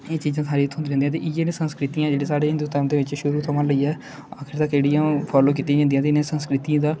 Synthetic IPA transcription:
eːt͡ʃiːzãːsʰaːɾiːt̪ʰːʊnd̪ːɾɛ̃nd̪jãːt̪eːʔɪd͡ʒẽːnẽːsənskɾɪt̪ijãːd͡ʒeːɽĩːsaːɽeːɪnd̪uːt̪əmd̪eːʋɪt͡ʃʃʊɾuːt̪ʰəmãːləiːɛː | akʰɪɾt̪akːeːɽijãːpʰɔːloːk̬iːt̪ːĩd͡ʒãnd̪ijãːt̪eɪnẽːsənskɾɪt̪iãːd̪aː

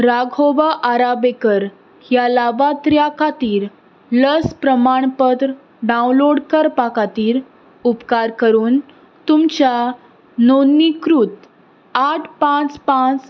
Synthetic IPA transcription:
ɾaɡʱoʋaʔaɾabekəɾ | jalaʋat̪ɾjakat̪iːɾ | ləspɾəmaɳpət̪ɾə | ɖaũnloɽkəɾpakat̪iːɾ | upkaɾkəɾuːn | t̪umt͡ɕja | nonːikɾuːt̪ | aʈʰpãt͡spãt͡s

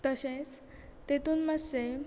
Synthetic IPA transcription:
t̪əɕẽt͡s | t̪et̪uːnmasɕe

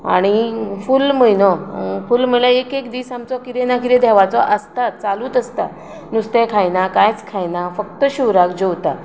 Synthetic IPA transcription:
a̰ɽ̃ifulməjnɔfulm̤əlaekekd̪isamt͡sɔkiɾenakiɾẽd̪ʱɛʋat͡sɔʔəst̪at̪̚t͡saluːt̪əst̪a̰ | nust̪ɛkʰajnakajt͡skʰajnafək̚t̪əɕuʋɾakd͡ʑɔwt̪a

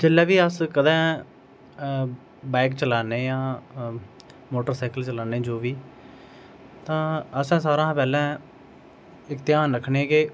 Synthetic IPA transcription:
d͡ʒɪlɛːʋiːəskəd̪ãː | bɛːkt͡ʃəlaːneːjãː | moːʈəɾsaːkəlt͡ʃəlaːneːd͡ʒoːʋiː | t̪ãːəsãːsaːɾãːpɛːlɛ̃ː | ɪkt̪ɪjaːnɾəkʰːneːkɪː

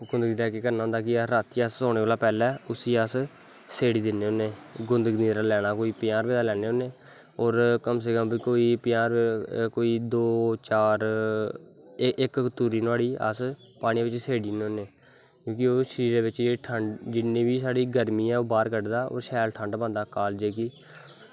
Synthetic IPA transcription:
ɡʊnd̪əɡɾɛːkeːkəɾnaːnd̪aːkɪaɾaːt̪iasːõːeːʋaːlaːpɛːlɛːʊsiːas | seːɽiːd̪ɪneːonːeːɡʊnd̪əɡd̪iːɾaːlɛːɽ̃aːkoːiːpɪjaːɾʋeːd̪aːlɛːneːoːneː | oːɾkəms̬eːkəmbikoːiːpɪjaːɾkoːiːd̪oːt͡ʃaːɾ | ɪkt̪uːɾiːnaːɽiːə̰s | paːɽ̃ĩːʋɪt͡ʃseːɽiːneːoːnːeː | kjõːkɪoːʃəɾiːɾeːʋɪt͡ʃeːʈʰəɳɖd͡ʒɪnːẽːbiːsaːɽiːɡəɾmiːɛːoːbaːɾkəɖd̪aːo̰ːɾʃɛːlʈʰəɳɖbãːnd̪aːkaːld͡ʒeːkiː

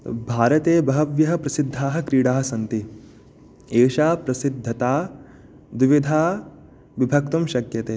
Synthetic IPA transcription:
bʱaːɾɐt̪eːbɐɦɐʋjɐɦɐ̆pɾɐsid̪ʱːaːɦɐ̆kɾiːɽaːɦɐsɐnt̪i | eːʃaːpɾɐsid̪ʱːɐt̪aː | d̪iʋid̪ʱaː | ʋibʱɐkt̪umʃɐkjɐt̪eː

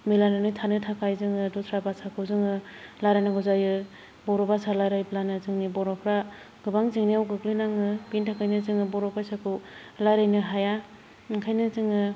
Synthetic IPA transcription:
milanɯnɯtʰanɯtʰakʰajzɯŋɯdusʰɾabasakʰɯwzɯŋɯlajɾanɯɡuzajɯ | bɔɾɔbasalajɾajblanɯzɯŋnibɔɾɔpʰɾa | ɡ̥ɯbaŋzɯŋniawɡɯklinaŋɯbintʰakʰajnɯzɯŋɯbɔɾɔpajsakʰɯwlajɾajnɯɦaja | ŋkʰajnɯzɯŋɯ

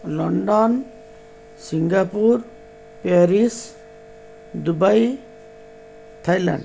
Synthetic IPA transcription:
lɔɳɖɔn | siŋɡapuɾ | peɾis | d̪ubaj | t̪ʰajla̰ɳɖ

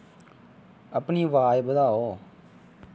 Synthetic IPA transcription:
əpniːʋaːjbəd̪aːoː

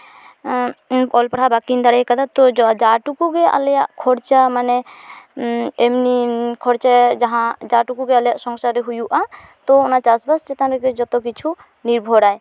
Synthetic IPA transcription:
ɔlpaɽɦabakind̪aɽajkad̪at̪ɔd͡ʒaʈukuɡɛa̰ljaʔkʰɔɽt͡ʃamanɛ | emnikʰɔɽt͡ʃad͡ʒaɦãd͡ʒaʈukuɡɛaljaʔsɔŋsaɾɛɦujuʔa | t̪ɔɔnat͡ʃasbast͡ʃɛt̪anɾɛɡɛd͡ʒɔt̪ɔkit͡ʃʰu | niɾbʱɔɽaj

